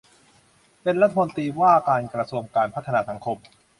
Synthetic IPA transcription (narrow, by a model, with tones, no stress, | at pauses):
pe˧nɾa˦˥t̪ʰːa˧mo˧nt̪ɾiː˧waː˥˩kaː˧nkɾa˧su˧əŋkaː˧npʰa˦˥t̪ʰːa˧naː˧˩sa˩˦ŋkʰo˧m